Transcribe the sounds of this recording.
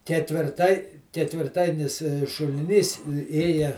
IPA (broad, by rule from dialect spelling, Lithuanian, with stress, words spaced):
kʲɛtʲʋʲɪrˈtɐɪ kʲɛtʲʋʲɪrˈtɐɪnʲɪs ʃʊlʲɪˈnʲiːs ˈeːjɛ